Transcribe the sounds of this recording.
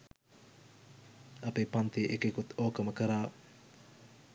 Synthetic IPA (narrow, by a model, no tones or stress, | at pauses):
ɐpepant̪eʔekekut̪oːkəməkəɾaː